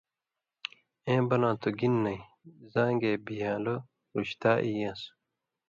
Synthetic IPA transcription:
ẽːbɐlãːt̪ʰuɡinːɐi | zãːŋɡeːbijãːlo | ɾuɕt̪aːʔijãːs

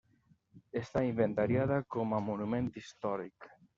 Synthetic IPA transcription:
est̪aimbent̪aɾjaðakomamonumẽnt̪ist̪ɔɾḭk

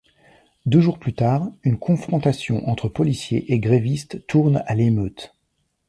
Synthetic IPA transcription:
d̪øʒuʁplyt̪aːʁynkʰɔ̃fχɔ̃t̪asjɔ̃ʔɑ̃t̪χəpɔlisjḛʔeɡʁevist̪ːuʁnalemøːt̪

